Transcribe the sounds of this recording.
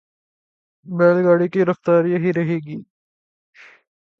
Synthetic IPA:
bɛːlɡaːɽikiɾɐft̪aːɾjɐɦiɾɐɦeːɡiː

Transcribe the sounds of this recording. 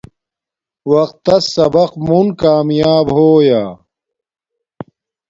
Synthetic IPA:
wɐqt̪ːɐsɐbɐqmunkaːmjaːbɦoːjaː

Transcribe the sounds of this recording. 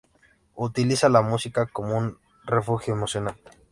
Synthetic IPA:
ut̪ilisalamusikako̞moun | refuxjoemo̞sjo̞nal

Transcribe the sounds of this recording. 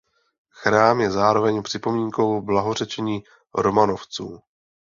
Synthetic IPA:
xɾaːmjɛzaːɾo̞vɛɲpr̝̥ɪpo̞miːŋko̞wblaɦo̞r̝ɛt͡ʃɛɲiː | ɾo̞mano̞ft͡suː

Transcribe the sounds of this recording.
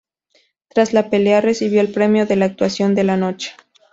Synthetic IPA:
t̪ɾazlape̞leare̞siβ̞jo̞elpɾe̞mjo̞ðe̞laːk̚t̪wasjo̞nd̪e̞lano̞t͡ʃe̥

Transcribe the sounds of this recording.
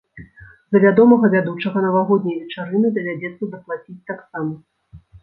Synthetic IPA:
zɐvʲad̪ɔmɐɣɐvʲad̪ut͡ʂɐɣɐnɐvaɣɔd̪ʲnʲɐjvʲɛt͡ʂaɾɨnɨd̪ɐvʲad͡zʲɛt̪sːɐd̪ɐplˠat͡sʲit͡sʲt̪aksamɐ

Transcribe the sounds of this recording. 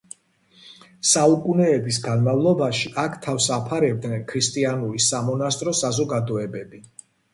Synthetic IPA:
saukʼunɛːbis̬ɡanmavlˠɔbaʃiʔakʰt̪ʰafsapʰaɾɛb̚d̪nɛnkʰɾist̪ʼianuɾisamɔnast̪ʼɾɔsazɔɡad̪ɔɛbɛbi

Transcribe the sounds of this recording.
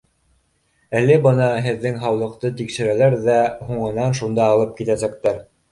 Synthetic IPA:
ælːɘbɤnɑɦɘ̆ðːɘŋɦɑwlˠɤ̆q̚t̪ɤt̪ikʃɘ̆ɾælæɾðæɦuɴɤ̆nɑnʃund̪ɑːlˠɤp̚kit̪æsæk̚t̪æɾ

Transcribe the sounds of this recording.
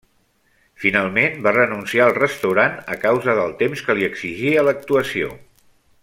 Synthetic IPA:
finalˠmenbarənunsiaəlˠrəst̪əwɾanəkawzəðəlˠt̪emskəliəɡz̥iʒiələk̚t̪uəsio̰

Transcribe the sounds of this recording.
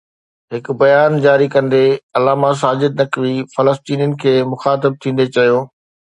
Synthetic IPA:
ɦɪkbɐjaːnd͡ʑaːɾikɐ̃nd̪eɐlaːmãs̬aːd͡ʑɪd̪̚nɐkʋifɐləst̪iːnjənɪ̆kʰeːmʊxaːt̪̬ɪb̚t̪ʰĩːnd̪et͡ɕɐjõː

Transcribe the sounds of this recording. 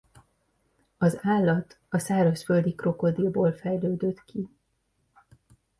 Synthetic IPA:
ɒzaːlːɒt̪ | ɒsaːɾɒʃføld̪ikro̞ko̞d̪ilboːlfɛjløːd̪øt̪kʰi

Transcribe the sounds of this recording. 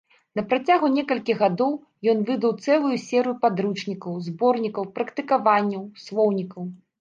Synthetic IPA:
nɐpɾat͡sʲaɣunʲɛkɐlʲkʲiɣad̪ɔw | jɔnvɨd̪ɐwt̪sɛlˠujusʲɛɾɨjupad̪ɾut͡ʂnʲikɐwzbɔrnʲikɐwpɾɐkt̪ɨkavanʲːɐwslˠɔwnʲikɐw

